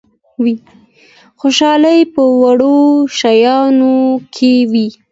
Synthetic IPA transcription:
wi | xoʃɑləjpəwaɽoʃajɑnokʰewi

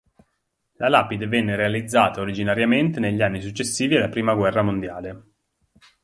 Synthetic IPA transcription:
lalaːpid̪evɛnːeɾealid̪zːaːt̪aoɾid͡ʒinaɾjament̪eneʎːianːisut͡ʃːesːiːvialːapɾiːmaɡwɛrːamond̪jaːle

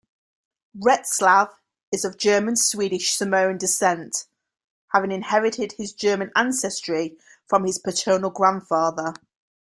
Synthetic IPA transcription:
ɹɛtslav | ɪzəvd͡ʒɜːmə̃nswiːɾɪʃsəməʊ̃ndɪsɛ̃nt | havɪ̃ŋɪ̃nhɛɹɪtʰɪd̥ɪzd͡ʒɜːmə̃nãnsɛstɹ̥i | fɹə̃mɪz̥pʰətʰɜːnəlˠɡɹãnd̥fɑːðə

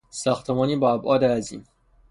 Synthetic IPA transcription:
sɒːxt̪ʰemɒːniːbɒæbʔɒːd̪ææzḭːn

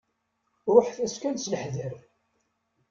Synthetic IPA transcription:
ɾˤoħθæskænsləħðəɾ

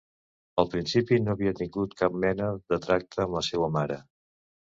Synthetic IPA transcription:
əlˠpɾinsipinoəβiət̪iŋɡut̪kap̚mɛnəðət̪ɾak̚t̪ʰəːmləsɛwəmaɾə

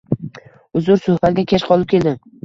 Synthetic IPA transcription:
ʊzʊɾsʊhbat̪ɡʲakʲʰeʃqʰɒlˠɪp̚kʲʰe̞ld̪ɪm

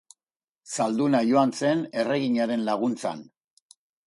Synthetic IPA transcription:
sald̪unajo̞ant͡se̞ne̞re̞ɣiɲaɾe̞nlaɣ̞unt͡sa̰n

